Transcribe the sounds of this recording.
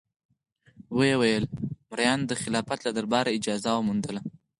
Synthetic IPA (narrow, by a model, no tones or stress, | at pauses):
wəjewajəlmɾajɑnd̪əxɪlɑfat̪lad̪əɾbɑɾaɪd͡ʒɑzawəmund̪əla